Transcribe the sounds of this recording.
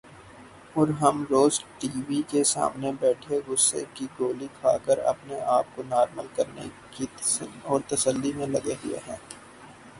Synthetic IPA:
ɔːɾɦɐmɾoːzʈiːʋikesa̰ːmnebɛːʈʰeɡʊsːḛkiɡoːlikʰa̰ːkəɾɐ̰pneʔaːp̚konaːɾməlkɐɾnḛ | kisnɔːɾt̪ɐsəlːimẽlɐɡeɦʊḛɦɛ̃ː

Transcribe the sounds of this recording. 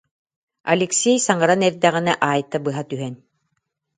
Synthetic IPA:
ɐ̰lʲeksʲejsaŋɤɾanɛɾd̪æʁĭnɛʔaːjt̪abɯɦat̪yɦɛn

